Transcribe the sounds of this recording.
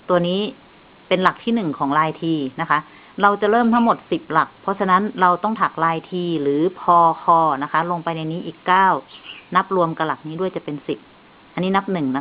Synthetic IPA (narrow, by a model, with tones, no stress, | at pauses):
t̪u˧ɐniː˦˥˨ | pe˧nla˨˩k̚t̪ʰiː˥˩nɯ˨˩ŋkʰɔː˩˦ŋlaː˧jt̪ʰiː˧na˦˥kʰa˦˥ | ɾa˧wt͡ɕa˨˩ɾɤː˥˩mt̪ʰa˦˥ŋmo˨˩t̪̚si˨˩p̚la˨˩k̚pʰɔ˦˥sʰa˧na˦˥nɾa˧wt̪ɔ˥˩ŋt̪ʰa˨˩k̚laː˧jt̪ʰiː˧lɯː˩˦pʰɔː˧kʰɔː˧na˦˥kʰa˦˥lo˧ŋpa˧jna˧jniː˦˥ʔiː˨˩kːaː˥˩wna˦˥p̚ɾu˧əmka˧la˨˩k̚niː˦˥du˥˩əjt͡ɕa˨˩pe˧nsi˨˩p̚ | ʔa˧nːiː˦˥na˦˥p̚nɯ˨˩ŋna˦˥